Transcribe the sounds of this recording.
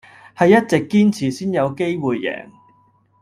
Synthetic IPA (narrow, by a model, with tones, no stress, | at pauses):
hɐ˨jːɐ˥t̚t͡sɪ˨kːiː˥nt͡sʰiː˨˩siː˥njɐ˨˧wke˥jwuː˨jːɛ̰ː˨˩ŋ